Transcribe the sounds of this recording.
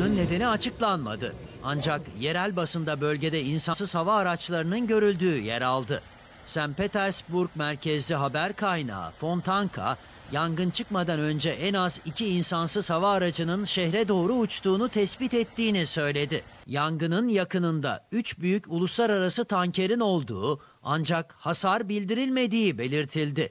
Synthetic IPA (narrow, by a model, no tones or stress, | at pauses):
ɯnːe̞d̪e̞niat͡ʃʰɯklˠanma̰d̪ɯ̰ | a̰nd͡ʒakje̞ɾælʲbasɯnd̪abø̞lʲɟe̞d̪ɛinsasɯz̥havaːɾat͡ʃlˠaɾɯnɯnɟø̞ɾylʲd̪yːjɛ̰ɾalˠd̪ɯ | sænpet̪æɾsbuɾk̚mæɾcʰɛzlʲiɦabæɾkʰajna̰ːfo̞nt̪ʰaŋkʰa̰ | jaŋɡɯnt͡ʃʰɯkmad̪anø̞nd͡ʒɛʔɛnazicʰiːnsansɯz̥havaːɾad͡ʒɯnɯnʃɛhɾɛd̪o̞ːɾuːt͡ʃt̪uːnut̪ʰɛsbit̪ɛt̪ːiːnisø̞jlʲe̞d̪ɪjaŋɡɯnɯnjakɯnɯnd̪a̰yt͡ʃbyjyculˠuslˠaɾaɾasɯt̪ʰaɲcʰe̞ɾino̞lˠd̪ṵː | a̰nd͡ʒakhasaɾbilʲd̪iɾilʲme̞d̪iːbe̞lʲiɾt̪ʰilʲd̪ɪ